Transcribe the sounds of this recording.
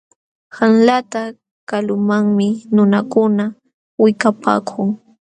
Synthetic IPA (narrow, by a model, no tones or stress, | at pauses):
hanlat̪a | kalʊmaŋmɪnʊnakʊna | wɪkapʰa̰ːkʰʊŋ